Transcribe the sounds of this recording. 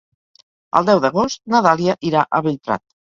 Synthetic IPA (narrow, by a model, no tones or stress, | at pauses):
ə̰lˠd̪ɛwðəɣost̪naðaliaʔiɾaʔəβeʎpɾa̰t̪̚